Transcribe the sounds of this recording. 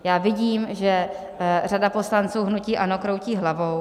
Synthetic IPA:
jaːvɪɟiːmʒɛ | radapo̞slant͡suːɦnuciːʔano̞kɾo̞wciːɦlavow

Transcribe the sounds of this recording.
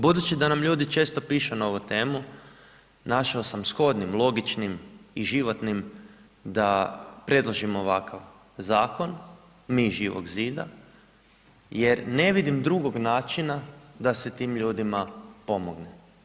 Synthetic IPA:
bud̪ut͡ʃid̪anamʎuːd̪it͡ʃe̞ːst̪o̞piːʃunaoʋut̪e̞ːmu | naʃaosamsxo̞d̪nimlˠo̞ɡit͡ʃnimiʒiʋo̞t̪nim | d̪apɾe̞d̪lˠoʒimoːʋakʰaʋ | zaːko̞n | miːʒiːʋo̰ɡziːd̪a̰ | je̞ɾne̞ʋid̪imd̪ɾuɡo̞ɡnaːt͡ʃinad̪aset̪iːmʎuːd̪imapo̞moɡne

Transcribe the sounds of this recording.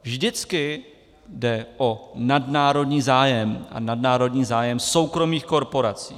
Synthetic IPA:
vʒdɪt͡skɪ | dɛʔo̞nadnaːɾo̞dɲiːzaːjɛma̰nadnaːɾo̞dɲiːzaːjɛmso̞wkɾo̞miːxko̞ɾpo̞ɾat͡sḭː

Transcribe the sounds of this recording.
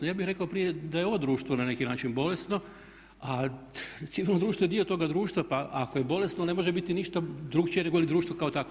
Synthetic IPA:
nojaːbixɾe̞kaopɾijed̪ajeod̪ɾuːʃt̪ʋonane̞kinaːt͡ʃinbo̞le̞st̪no̞ | a | t̪siʋilnod̪ɾuːʃt̪ʋoed̪io̞t̪o̞ɡad̪ɾuːʃt̪ʋapaakoje̞bo̞le̞snone̞mo̞ʒebit̪iniʃt̪ad̪ɾukt͡ʃiene̞ɡojilid̪ɾuːʃt̪ʋokaot̪ak

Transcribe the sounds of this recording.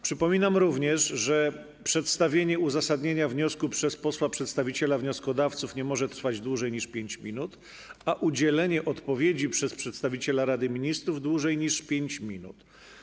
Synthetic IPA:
pʂɘpɔmʲinamɾuvɲɛʂʐɛ | pʂɛt̪st̪avʲjeɲɛuzasad̪ɲeɲavɲɔskupʂɛspɔswapʂɛt̪st̪avʲit͡ɕɛlavɲɔskɔd̪aft̪sufɲɛmɔʐɛt̪ɾ̥fad͡ʑd̪wuʐɛjɲiʂpʲjeɲt͡ɕmʲinut̪ | aʔud͡ʑɛlɛɲɛʔɔt̪pɔvʲjed͡ʑipʂɛspʂɛt̪st̪avʲit͡ɕɛlaɾad̪ɘmʲiɲist̪ɾuvd̪wuʐɛjɲiʂpʲjeɲt͡ɕmʲinṵt̪

